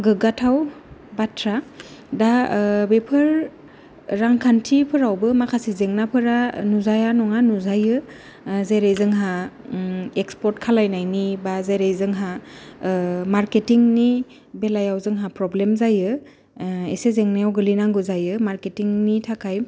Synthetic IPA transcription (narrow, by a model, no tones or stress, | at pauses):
ɡɯɡatʰaw | batʰɾadabepʰɯɾː | aŋkʰantʰipʰɯɾawbɯmakʰasizeŋnapʰɯɾanuzajanɔŋanuzajɯ | zeɾejzɯŋɦa | ekspɔɾtkʰalajnajnibazeɾejzɯŋɦa | maɾketiŋni | belajawzɯŋɦapɾɔblemzajɯ | ḛsezeŋnajawɡɯlinaŋɡɯzajɯmaɾketiŋnitʰakʰaj